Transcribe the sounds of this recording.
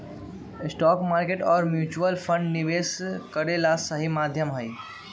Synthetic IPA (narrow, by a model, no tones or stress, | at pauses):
ɪsʈɔkmaɾkeʈɔːɾmjut͡ʃuəlpʰə̃ɳɖniʋeskəɾelasəɦimad̪ʱjəmɦəj